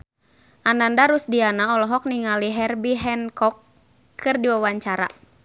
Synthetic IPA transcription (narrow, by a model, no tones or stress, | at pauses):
ʔanandaɾusdianaɔlɔɦɔk̚niŋaliɦɛrbiɦɛnkɔkːʰ | ɨrdiwawaɲt͡ʃaɾa̰